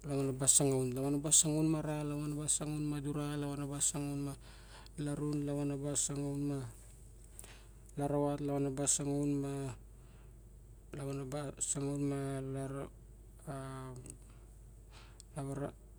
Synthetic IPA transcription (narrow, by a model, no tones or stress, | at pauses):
laβanabasaŋawnlaβanabasaŋawnmaɾalaβanabasaŋawnmaduɾalaβanabasaŋawnma | laɾunlaβanabasaŋawnma | laɾawatlaβanabasaŋawnma | laβanabasaŋawnmalaɾ | laβaɾa